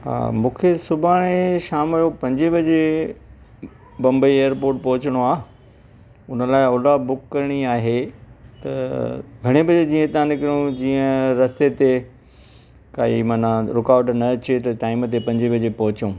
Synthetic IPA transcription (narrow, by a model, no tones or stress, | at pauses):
ɦa̰ːmũːkʰesʊbʱaːɽ̃eʃaːmjopɐ̃ɲd͡ʑibʱɐd͡ʑe | bɐ̃mbəieːəɾpoːɾʈ̚pɐɦʊt͡ɕɪɽ̃oaː | ʊnəlaːɪʊlabʊkːɐɾɪɽ̃iaːɦet̪ɐɡʱɐɽ̃ebɐd͡ʑed͡ʑiːə̃t̪ãnɪkɾiõd͡ʑiːə̃ɾɐst̪et̪e | kaːḭmaːnãɾɪkaːʋɖnɐt͡ɕet̪ɐʈaːɪmət̪̬epɐ̃ɲd͡ʑibɐd͡ʑepɐɦʊt͡ɕõː